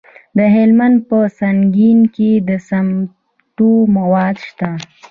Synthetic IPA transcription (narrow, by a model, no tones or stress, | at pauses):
d̪əɦɪlmand̪̚pəsaŋɡinked̪əsam | ʈumawɑːd̪ʃt̪a